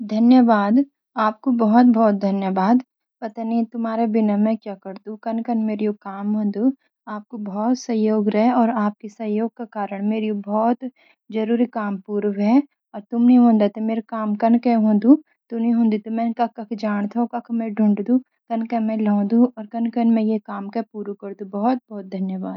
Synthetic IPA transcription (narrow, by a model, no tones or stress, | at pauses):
d̪ʱɐnjəʋaːd̪ | aːp̚kobɔɦɔt̪̚bɔːt̪̚d̪ʱɐnjəʋaːd̪ | pɐt̪anit̪ʊmaːɾebɪnamɛ̃kjaːkɐɾd̪ũkɐnkɐnmeːɾjokaːmɦõːnd̪u | aːp̚kobɔɔːt̪sɐjoːɡɾɛɦɔːɾaːp̚kesɐjoːɡ̚kakaːɾəɽ̃meːɾiobɔːt̪ | d͡ʒɐɾuːɾikaːmpuːɾʋɦɛ | ɔːɾt̪ʊmnɐĩɦõːnd̪at̪ʰemeːɾekaːmkɐnkeɦõːnd̪ũ | t̪ʊnĩɦõːnd̪it̪omɛ̃kɐkːɐkʰd͡ʒaːɽ̃t̪ʰokɐkʰmɛ̃ɖʱʊ̃ɳɖd̪ũ | kɐnkɛ̃mɛ̃lɔ̃ːd̪ũɔːɾkɐnkɐnmɛ̃jekaːmkɐpuːɾukɐɾd̪ũbɔɦɔt̪̚bɔːt̪̚d̪ʱɐnjəʋaːd̪